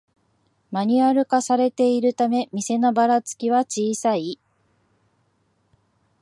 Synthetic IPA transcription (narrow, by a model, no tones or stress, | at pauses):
maɲ̟iaɾɯ̟kasaɾe̞t̪e̞iɾɯ̟t̪ame̞mʲise̞no̞baɾat͡sɨ̥kʲiβat͡ɕiːsai